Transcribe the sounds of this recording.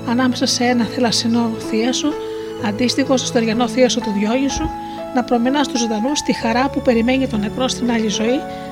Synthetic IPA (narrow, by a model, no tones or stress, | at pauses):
ɐnɐme̞sɐseenɐθelɐsino̞θiɐso | ɐnd̪ist̪ixo̞st̪ost̪oeɾʝɐno̞θiɐso̞t̪uðʝo̞ɲisu | nɐpɾo̞minɐst̪uzod̪ɐnust̪ixɐɾɐpupe̞ɾime̞ɲit̪o̞ne̞kɾo̞st̪inɐʎizo̞i